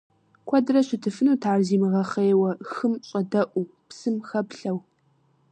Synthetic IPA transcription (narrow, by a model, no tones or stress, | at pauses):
kʷʰɔdɨrɐɕɪtʰɨfɨnuːtʰaːrziːmɨʁɐχeːwɐxɨmɕʼɐdɐʔʷu | psɨmxɐpɬɐw